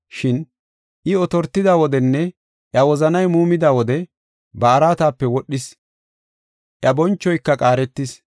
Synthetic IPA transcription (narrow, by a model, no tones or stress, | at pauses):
ʃɪn | ʔɪɔt̪ɔɾt̪ːɪd̪aːwɔd̪ɛnːɛ | ʔjɐwɔzɐnɐjmuːmɪd̪aːwɔd̪ɛ | bɐːɾaːt̪aːpːɛwɔɗːɪs | ʔjɐbɔnt͡ʃːɔjkːɐkʼaːɾɛt̪ːɪs